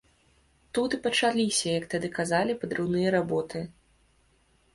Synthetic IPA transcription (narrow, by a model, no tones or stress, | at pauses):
t̪ut̪ɨpɐt͡ʂalʲisʲɐjɐk̚t̪ad̪ɨkazalʲipɐd̪ɾɨwnɨjɐɾabɔt̪ɨ